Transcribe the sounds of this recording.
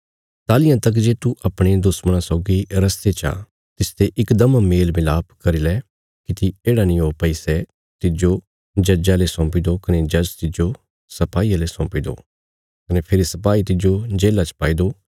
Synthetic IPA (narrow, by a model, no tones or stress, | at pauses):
t̪aːlɪjãt̪ɐk̬d͡ʒeːt̪uʔɐpɽ̃ed̪ʊsməɽ̃ãsɔːɡiɾɐst̪et͡ʃã̰ː | t̪ɪst̪eʔɪkd̪əmameːlmɪlaːpkɐɾilɛ | kit̪ieːɽanĩoːpɐisɛ | t̪ɪd͡ʒo | d͡ʒɐd͡ʒalesɔ̃ːpid̪okɐned͡ʒɐd͡ʒt̪ɪd͡ʒo | sɐpaːiːjalesɔ̃ːpid̪o̰ː | kɐnepʰɪɾisɐpaːit̪ɪd͡ʒod͡ʒeːlat͡ʃpaːid̪oː